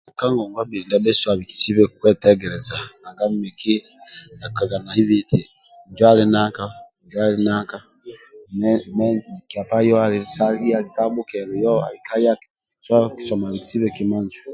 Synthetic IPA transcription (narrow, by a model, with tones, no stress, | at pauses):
ka˦ŋɡo˨ŋɡwa˦bi˨i˨nda˦be˦swa˨βi˨ki̥˨si˦βe˦kukwe˦tɛɡɛɾe˨za˨a˨ŋɡa˦mmi˨ki˦na˨ka˨ɡa˨na˨hi˦βiti˨ | ɲɟwa˦li˦na˦ka˦ɲɟwa˦li˦naː˦ka˦ | mei˨kia˨pa˦jo˦a˨lisa˦i˦a˦ika˦βu˦ke˨ɾu˨jo˦a̰˨lika˦ja˦k | sa˦ki̥so˨ma˨βi˨ki̥si˦βekima˦nzu̥